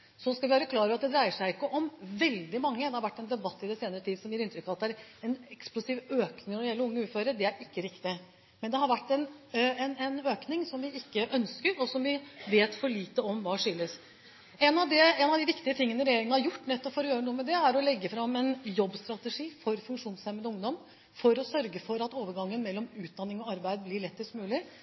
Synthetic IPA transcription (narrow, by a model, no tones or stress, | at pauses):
sɔskɑʋɪøːɾəkʰlɑːɾəɑt̪̚d̪ɛd̪ɾæɪəʂæɪɪkːəʔɔmʋɛld̪ɪmɑŋːəd̪ɛhɑɾʋæʈːɛnd̪ɛbɑt̪ːɪd̪ɛseːnəɾət̪ʰiːd̪sɔmjiːɾɪnt̪ɾʏkːɑʋɑt̪d̪ɛæɾɛnɛksplʊsiːʋøːknɪŋɔd̪jɛlːəɾʊŋːəʉːføːɾəɖ̪ɛæɾɪkːəɾɪkt̪ɪ | mɛnd̪ɛhɑɾʋæʈːɛnɛnɛnøːknɪŋsɔmʋɪɪkːəʔœnskəɾɔsɔmʋɪʋeːt̪fɔɭiːt̪əɔmʋɑːʂʏlːəs | ɛnɑʋd̪ɛɛnɑʋd̪ɪʋɪkt̪ɪət̪ʰɪŋːənəɾɛjeːɾɪŋənəhɑɾjʊʈːnɛt̪ːɔpfɔɾɔjøːɾənuːəmɛd̪ɛæɾɔlɛɡːəfɾɑmːɛnjɔbːst̪ɾɑt̪əʂiːfɔɾfʉŋʂuːnsɛməd̪əʊŋd̪ɔm | fɔɾɔsœɾɡəfɔɾɑt̪oːʋəɾɡɑŋːənmɛlːɔmʉːt̪̚d̪ɑnːɪŋɔɑɾbæɪd̪̚blɪɾɭɛt̪ːɪst̪mʉːlɪ